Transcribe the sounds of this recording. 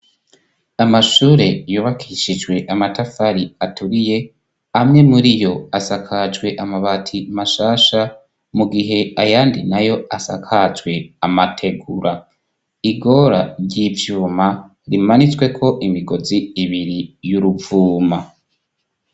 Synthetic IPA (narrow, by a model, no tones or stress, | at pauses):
amaʃuːɾe̞juːβakʰiʃid͡ʒwe̞ʔamatʰafaɾiatuɾije̞ | amŋe̞muɾijo̞asakʰad͡ʒɡwe̞ʔamaβatʰimaʃaːʃa | muɡiɦe̞ajaːndinajo̞asa̰kʰad͡ʒwe̞amatʰe̞ɡuɾa | iɡo̞ɾaɾɟivjuːma | ɾimanit͡swe̞kʰo̞ʔimiɡo̞ziːβiɾijuɾuvuːma